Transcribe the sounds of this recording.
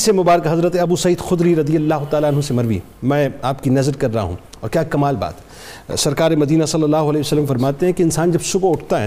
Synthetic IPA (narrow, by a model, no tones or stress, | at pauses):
semʊbaːɾəkɦɐzɾət̪eɐbuːsɐiːd̪xʊd̪ɾiɾɐd̪ijɐlːaːɦʊt̪aːlaːnɦõsemɐɾʋḭ | mɛ̃ːaːpkinɐzəɾkɐɾːɐɦa̰ɦṵ̃ | ɔːɾkjaːkɐmaːlba̰ːt̪ | sɐɾkaːɾemɐd̪iːnasɐlːɐlːaːɦʊɐlɛːsəlːəmfɐɾmaːt̪eɦɛ̃keɪ̃nsaːnd͡ʒɐbsʊbʊʈʰt̪aɦɛː